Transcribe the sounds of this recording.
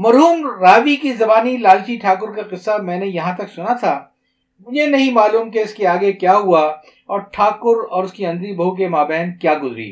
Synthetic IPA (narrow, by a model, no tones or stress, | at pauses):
mɐɾɦuːmɾaːʋikizɐbaːnilaːlt͡ʃiʈʰaːkʊɾkaqɪsːamɛ̃ːnejɐɦãt̪ɐksʊnat̪ʰaː | mʊd͡ʒʱenɐɦĩmaːluːmkeɪskeaːɡekjaːɦua | ɔːɾʈʰaːkʊɾɔːɾʊskiɐ̃nd̪ɾibʱɐɦuk̬emaːbɛːnkjaːɡʊzɾḭː